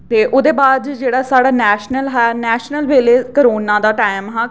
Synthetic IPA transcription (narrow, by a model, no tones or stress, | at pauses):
t̪eːʔʊd̪eːbaːd̪d͡ʒeːɽaːsaːɽaːnɛːʃnəlɦɛnɛːʃnəlʋeːleːkəɾoːnãːd̪aːʈaːɪmɦɛ̃ː